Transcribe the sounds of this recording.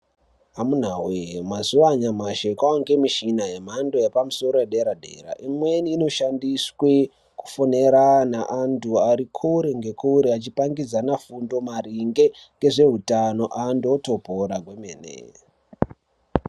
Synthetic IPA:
amun̤awemazuʋaɲamaʃekaoŋɡe̞miʃinaɦe̞m̤ando̞jepamuso̞ɾo̞jeɗe̞ɾadʱe̞̰ɾa̰ʔimwe̞niːno̞ʃandiswe | ku̥fo̞ne̞ɾanaʔantuaɾikʰoɾeŋɡe̞kʰouɾeat͡ʃipaŋɡid͡zanafundo̞mariŋɡe̞ŋɡe̞ʐe̞ɦutano̞ʔandoto̞poɾaɡʱwe̞mḛːnḛ

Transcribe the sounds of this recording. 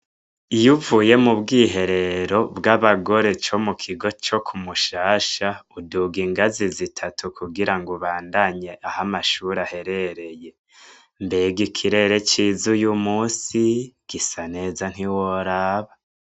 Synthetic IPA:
ijuvuje̞mubɡiːɦe̞ɾe̞ɾo̞bɡaβaɡo̞ɾe̞t͡ʃo̞mukʰiɡo̞t͡ʃo̞kʰumuʃaːʃauduɡiŋɡazizitʰatʰukuɡiɾaŋɡuβaːndaɲe̞ʔahamaʃuɾahe̞ɾe̞ɾe̞je̞ | mbeɡikʰiɾe̞ɾe̞t͡ʃiːzujumuːsiɡ̥isane̞ːzan̥hiwoɾaːβa

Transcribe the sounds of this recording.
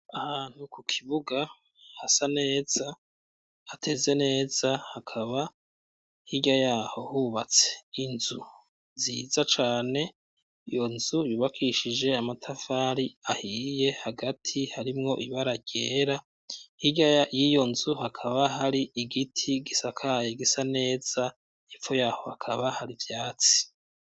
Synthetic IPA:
ahaːn̥hukukʰiβuɡa | hasane̞ːz̥a | hatʰe̞ze̞ne̞ːz̥ahakʰaβa | hiɟajaːho̞huβat͡se̞̥inzu | ziːzat͡ʃaːne̞ | ijo̞nzujuːβakʰiʃid͡ʒe̞amatʰafaːɾiahiːje̞haɡatʰihaɾimŋo̞ʔiβaɾaɟeːɾa | hiɟaajijo̞nzuhakʰaβaɦaɾiiɡitʰiɡisakʰaːjeɡisane̞ːz̥a | ifojaːho̞hakʰaβahaɾivjaːt͡si̥

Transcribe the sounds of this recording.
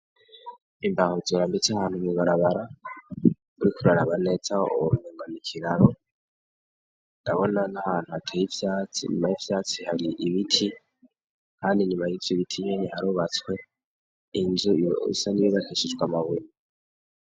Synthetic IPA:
imbahozoɾambit͡sahaːn̥humuβaɾaβaɾa | uɾikuɾaɾaβanet͡saṵɾuneːŋɡanikʰiɾaɾo | ndaβonanahaːn̥huatʰejivjaːt͡sḭɲṵmajivjaːt͡sihaɾiʔiβitʰi | kʰaːndiɲumajivjoβitʰiɲeɲehaɾuːβat͡swe̞ | inzuḭsaniβiβaheʃuzɡwamaβuni

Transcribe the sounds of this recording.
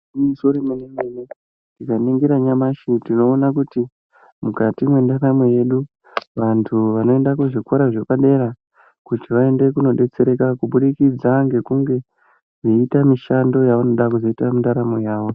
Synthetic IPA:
muso̞ɾemenemene | tikaniŋɡiɾaɲamaʃitino̞ːnak̬uti | mukatimwe̞ndaramweje̞ɗu | ʋantʰuʋano̞e̞ndakuʐikwoɾaʐe̞paɗe̞ɾa | kutiʋae̞nde̞kuno̞ɗe̞t͡se̞ɾe̞kakuɓuɗikid͡zaŋɡe̞kuŋɡe̞ | ʐiitamiʃando̞jaʋanoɗakuzo̞itamindaɾamo̞jaːʋo̞

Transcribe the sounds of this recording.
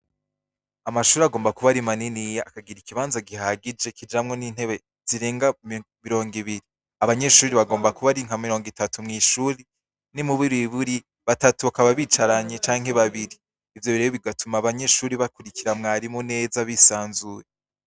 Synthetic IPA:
amaʃuːɾiaɡo̞ːmbakuβaɾimaninijaʔakaɡiɾikiβaːnzaɡiɦaɡid͡ʒe̞kid͡ʒamŋo̞niːn̥he̞βe̞ | z̥iɾe̞ːŋɡa | miɾo̞ːŋɡiβiɾi | aβaɲe̞ʃuːɾiβaɡoːmbakuβaɾiŋ̥amiɾo̞ːŋɡitatumŋiːʃuːɾi | nimuβuɾiβuɾi | βatatuβakaβaβit͡ʃaɾaɲet͡ʃaːŋhe̞βaβiɾiː | vjo̞βiɾejoβiɡatumaːβaɲe̞ʃuːɾiβakuɾikiɾamŋaːɾimone̞ːzaβisaːnzuje

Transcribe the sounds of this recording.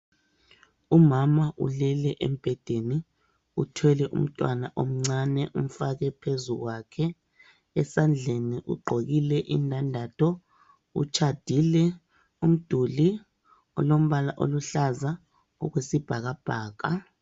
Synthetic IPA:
umamaʔṵlɛlɛʔem̩b̥ʱɛd̥ʱeni | ṵtʰwɛlɛʔṵm̩tʼwanaʔom̩ŋ͡ǀanɛʔum̩faɣɛpʰezuɣwakʰɛ | ɛsand͡ɮʱeniʔṵɡ͡ǃʱoɣilɛʔḭndʱandʱatʰɔ | ṵt͡ʃʰad̥ʱilɛ | um̩d̥ʱuli | ɔlom̩βalaʔo̰luɬaza | ɔɣwesib̥ʱaɣab̥ʱaːɣa

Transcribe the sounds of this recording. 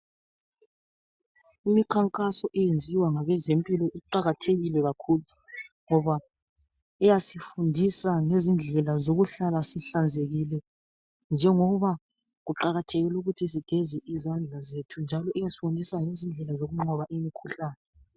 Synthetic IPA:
imikʰaŋkʼasɔʔɛjend͡zʱiwaŋaβɛzempʼilɔʔiǃaɣatʰeɣilɛɣakʰuːlu | ŋɔβa | ɛjasifundʱisaŋezind͡ɮʱɛlazoɣuɬalasiɬand͡zʱeɣilɛ | nd͡ʒʱɛŋɔβa | ɣuǃaɣatʰeɣiluɣutʰis̬iɡ̥ʱɛzɛʔizand͡ɮʱazetʰund͡ʒʱalɔʔɛjasi̥fundʱisaŋezind͡ɮʱɛlazoɣuŋ͡ǃʱɔβaʔimikʰuɬaːnɛ

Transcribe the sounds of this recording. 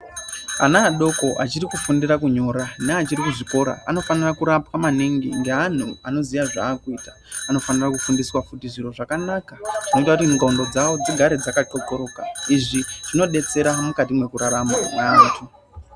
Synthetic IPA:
anaːɗo̞ko̞ʔat͡ʃiɾikufundirakuɲo̞ːɾaneat͡ʃiɾikuʐiko̞ɾa̰a̰no̞fanirakuɾapwamaneŋɡiŋɡe̞ɦan̤uano̞zijaʐa̰ːkuiːtḁ | ano̞fanirakufundiswafutiʐir̤o̞ʐakanakaʐino̞itakutimuŋɡaundo̞d͡zawo̞d͡ziɡʱaɾed͡zakat͡ʃo̞ko̞ɾo̞kaiʐiʐ̥ino̞ɗe̞t͡se̞ɾamukat̬imwe̞kuɾaɾamamatʰu

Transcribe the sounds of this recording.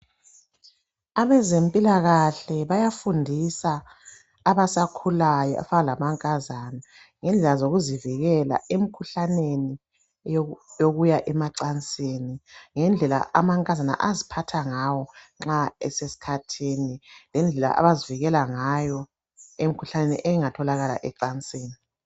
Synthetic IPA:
aβɛzempʼilaɣaɬɛβajafundʱisaː | βasakʰulajɔa̰fanalamaŋkʼazana | ŋɛnd͡ɮʱɛlazoɣuziviɣɛla̰em̩kʰuɬaneni | joɣujaʔɛmaǀant͡sʼeːniŋɛnd͡ɮʱɛla̰ʔa̰maŋkʼazana̰ʔazipʰatʰaŋawɔ | ŋ͡ǁaɛsesi̥kʰatʰiːnilɛnd͡ɮʱɛla̰ʔa̰βaziviɣɛlaŋajɔ | emikʰuɬanenḭʔɛŋatʰɔlaɣala̰ʔɛǀant͡sʼiːni

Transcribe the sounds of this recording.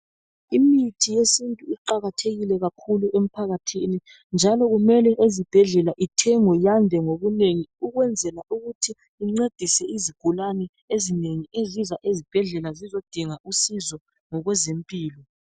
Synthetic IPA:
imitʰijesintʼuiǃaɣatʰeɣilɛɣakʰuluʔem̩pʰaɣatʰini | nd͡ʒʱalɔɣumɛlɛʔezib̥ʱɛɮɛlaʔitʰɛŋɔjandʱɛŋoβuneŋiuɣwɛnd͡zʱɛlaʔuɣutʰiː | ŋ͡ǀed̥ʱisɛiziɡ̥ʱulanɛ | ezineŋiʔezizaʔezib̥ʱɛɮɛlazizod̥ʱiŋaʔusizɔ | ŋɔɣwɛzempʼiːlɔ

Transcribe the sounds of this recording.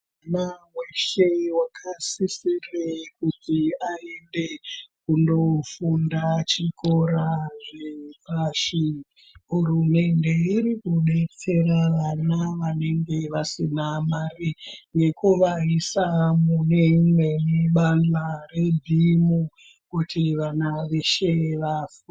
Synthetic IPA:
anaweʃe̞wakʰasisirekutiaembekundo̞fundat͡ʃiko̞ɾaʐepaʂi | ɦurume̞nde̞irikuɓe̞t͡se̞raʋanaʋane̞ŋɡe̞ʋasinamariŋɡe̞kuʋaɦisamuneŋwe̞niɓand͡ɮare̞bʱimu | kutiʋanaʋe̞ʃeʋafuu

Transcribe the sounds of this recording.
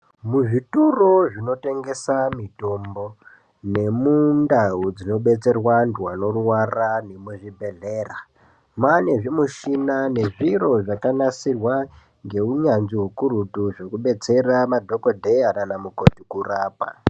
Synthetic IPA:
muʐituroʐino̞te̞ŋɡe̞samito̞mbo̞ | ne̞mundaɦud͡zino̞ɓe̞t͡se̞rwanduwano̞ruwaranemuʐibʱe̞ɮeːra | mane̞ʐimuʃinane̞ʐiro̞ʐakanasirwa | ŋɡe̞uɲanziɦukuɾutuʐe̞kuɓe̞t͡se̞ramadʱo̞kodʱeananamuko̞tikuraːpa̰

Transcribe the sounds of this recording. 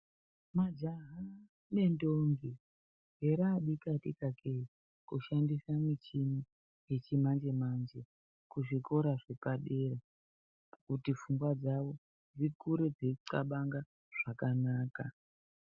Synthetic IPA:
mad͡ʒaɦa | ne̞ndoŋɡi | ɦeɾaːɓikatḭkakei | kuʃandisamit͡ʃini | jet͡ʃimand͡ʒe̞mand͡ʒe̞ | kuʐiko̞ɾaʐe̞paɗere | kutifuŋɡwad͡zaʋo̞ | d͡zikuɾed͡zeǀaɓaŋɡa | ʐ̥akanaːka

